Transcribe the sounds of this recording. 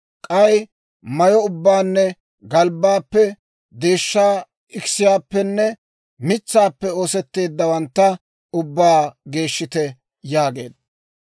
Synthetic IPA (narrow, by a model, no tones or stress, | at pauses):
kʼɐj | mɐjɔʊbːaːnːɛ | ɡɐlbːaːpːɛ | d̪e̞ːʃːaː | ɪkɪsɪjaːpːɛnːɛ | mɪt͡sːaːpːɛo̞ːsɛt̪ːe̞ːd̪ːɐwɐnt̪ːɐ | ʊbːaːɡe̞ːʃːɪt̪ɛ | jaːɡe̞̰ːd̪ɐ